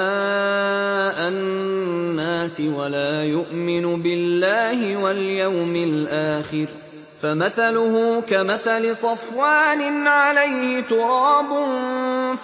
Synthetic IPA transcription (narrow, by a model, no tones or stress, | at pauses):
a | ʔaː | aːsɪwalaːjʊʔmɪnʊbɪlːaːhɪwaljawmɪlʔaːxɪɾ | famaθalʊhʊːkamaθalɪsˤɑfwaːnɪnʕalajhɪt̪ʊɾˤɑːbʊn